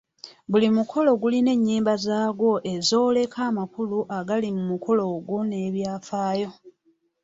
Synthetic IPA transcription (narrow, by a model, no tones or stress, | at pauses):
bulimukʰo̞lo̞ɡuline̞ɲːiːmbazaːɡwo̞ʔe̞zo̞ːle̞kʰaːmakuluʔaɡalimumukʰo̞lo̞ɡwo̞ne̞ːβjaːfaːjo̞